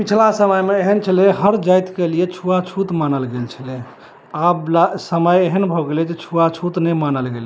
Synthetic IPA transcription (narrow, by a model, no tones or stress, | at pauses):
pit͡ʃʰlasəməjmeːɦənt͡ʃʰəleɦəɾd͡ʒajt̪kelijet͡ʃʰuat͡ʃʰut̪manəlɡelt͡ʃʰəle | ablasəməjeɦənbʱɔɡeled͡ʒet͡ʃʰuat͡ʃʰut̪nɛmanəlɡel